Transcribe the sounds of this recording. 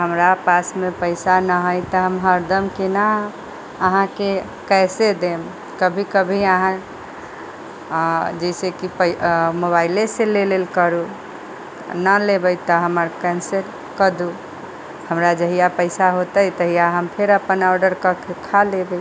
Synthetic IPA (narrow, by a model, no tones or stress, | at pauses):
ɦəmɾapasmepəɪsanəɦəjt̪əɦəmɦəɾd̪əmkena | əɦãke | kɛsed̪em | kəbʱikəbʱiəɦã | d͡ʒəɪsekipəmoβaɪleselelelkəɾu | nəlebəjt̪əɦəməɾkɛ̃nseɾ | kəd̪u | həmɾad͡ʒəɦijapəɪsaɦot̪əjt̪əɦijaɦəmpʰeɾəpənɔɾɖəɾkəkkʰalebəj